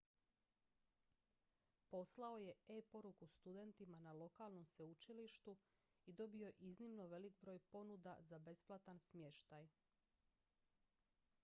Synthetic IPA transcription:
po̞slao̞je̞epo̞ɾukust̪ud̪e̞nt̪imanalo̞kaːlˠno̞mseut͡ʃiliʃt̪u | id̪o̞bio̞ʔiznimnoʋe̞likbɾo̞ːjpo̞nud̪azabe̞splˠat̪ansmje̞ʃt̪aj

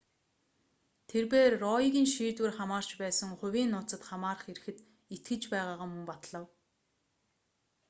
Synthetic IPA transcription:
t̪ʰerpeːrːɔiɣʲiːnʃiːt̪wɘ̆rχamaːr̥t͡ɕpæːsə̆ŋχʊwʲiːnːʊːt͡sə̆t̪χamaːrə̆χeɾɘ̆xɘ̆t̪ | it̪̚ɡɘ̆t͡ɕpæːʁaːʁaːmɵŋpat̪ɮə̆w

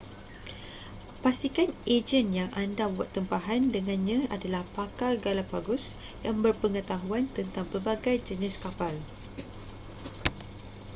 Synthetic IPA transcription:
past̪ikaned͡ʒənjaŋʔandabuat̪ːəmpaɦandəŋãnɲãadalahpakaɡalabaɡʊs | jaŋbərpəŋət̪aɦuant̪ənt̪aŋpərbaɡajd͡ʒənɪskapal

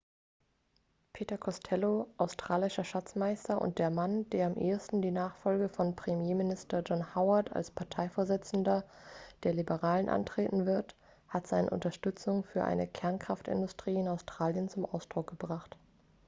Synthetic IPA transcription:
pʰeːtɐkʰɔstʰɛloʔaʊstʁ̥aːlɪʃɐʃat͡smaɪstɐʔʊ̰nt̚d̥eːɐmand̥eːɐamʔḛːɐstn̩diːnaːχfɔlɡəfɔnpʁ̥emjeːmɪnɪstɐd͡ʒɔnhaʊɐtʰa̰lspʰaɐtʰaɪfoːɐzɪt͡sn̩dɐ | d̥eːɐlibəʁaːlənʔa̰ntʁ̥eːtn̩vɪɐt | hatz̥aɪnə̰ʔʊ̰ntɐʃtʏt͡sʊŋfyːɐʔa̰ɪnəkʰɛɐnkʁ̥aftɪ̰ndʊstʁ̥iːɪnaʊstʁ̥aːljənt͡sʊmʔa̰ʊsd̥ʁʊk̚ɡ̥əbʁaχt

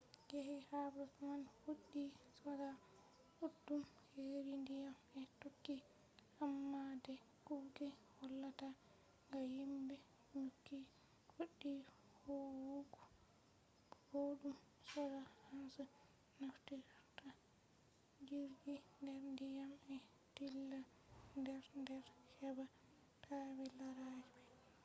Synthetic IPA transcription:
ɡehɛhabɾafmanhoɗːisɔɾa | udːumheɾindijamɛtokːi | hamːadɛ | kuɡɛhɔlːata | ŋɡajimbɛ | nukːi | koɗːi | hɔwuɡu | bodum | sɔɾahansu | naftiɾta | d͡ʒiɾɡindɛɾndijamɛ | dilːa | ndɛɾndɛɾhɛba | tʰabɛlaɾad͡ʒiɛ

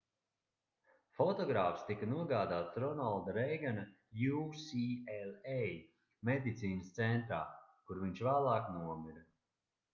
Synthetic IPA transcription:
fɔt̪ɔɡɾaːfst̪ikanuɔɡaːd̪aːt̪sɾɔnalˠd̪aɾejɡana | jusielej | med̪ʲit̪siːnəst̪sɛnt̪ɾaːkuɾviɲʲt͡ʃvaːlˠaːknuɔmiɾɐ

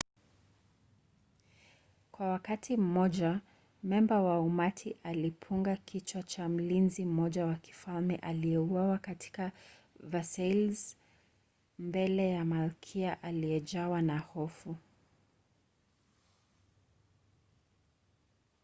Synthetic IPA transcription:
kwawakatʰim̩mɔʄa | mɛmbawaumatʰiʔalipʰuŋɡakʰit͡ʃwat͡ʃam̩linzim̩mɔʄawaki̥falmɛʔalijɛuwawakatʰi̥ka | vasɛlz | mbɛlɛjamalkʰiaʔaliɛd͡ʒawanahɔfu

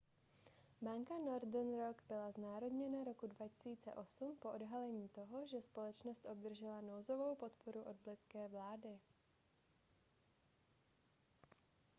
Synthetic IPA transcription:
baŋkano̞ɾdnɾoɡbɪlaznaːɾo̞dɲɛnaɾo̞kudvacɛ̥siːt͡sɛ̰ʔo̞sumpo̞ʔodɦalɛɲiːt̪o̞ɦo̞ʒɛspo̞lɛt͡ʃnost̪ʔo̞b̚d̪r̩ʒɛlano̞wzo̞vo̞wpo̞t̪po̞ɾuʔo̞d̪̚blɪt͡skɛːvlaːdɪ

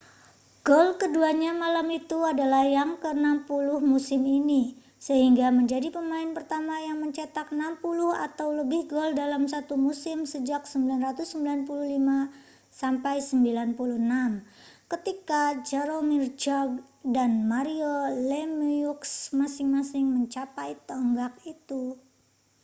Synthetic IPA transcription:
ɡ̥ɔlkəduaɲamalamit̪uadalahjaŋkəənampulʊhmusɪmini | səɦiŋɡaməɲd͡ʒadipəmaɪnpərt̪amajaŋməɲt͡ʃat̪ak̚ənampulʊha̰t̪awləbɪhɡɔldalamsat̪umusɪmsəd͡ʒak̚səmbilanrat̪usːəmbilanpuluhlima | sampajsəmbilanpuluhnam | kət̪ikad͡ʒaɾomird͡ʒɔɡ̚danmaɾiolɛmuksmasɪŋmasɪŋməɲt͡ʃapajt̪əəŋɡak̚it̪u

